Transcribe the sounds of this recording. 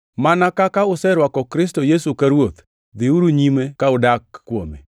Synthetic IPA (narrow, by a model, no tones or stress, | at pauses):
manakakaʊsɛɾwakɔkɾɪstojesukaɾwot̪ | d̪ɪuɾuɲimekaʊdakːwo̰mḛ